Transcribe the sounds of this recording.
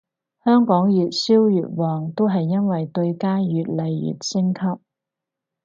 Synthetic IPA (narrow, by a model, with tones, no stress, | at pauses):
hœː˥ŋkɔː˨˥ŋjyː˨t̚siː˥wjyː˨t̚wɔː˨ŋt̪o˥wɦɐ˨jːɐ˥nwɐ˨jt̪ɵ˧ɥkaː˥jyː˨t̚lɐ˨jjy̰˨t̚sɪ˥ŋkʰɐ˥p̚